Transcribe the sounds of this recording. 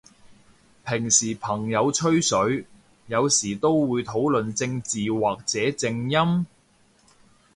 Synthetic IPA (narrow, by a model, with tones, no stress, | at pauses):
pʰɪ˨˩ŋsiː˨˩pʰɐ˨˩ŋjɐ˨˧wt͡ʃʰɵ˥ɥsɵ˨˧˥ɥ | jɐ˨˧wsiː˨˩t̪o˥wwuː˨˧jt̪ʰo˨˥wlɵ˨nt͡sɪ˧ŋt͡siː˨waː˨k̚t͡sɛː˨˥t͡sɪ˧ŋjɐ˥m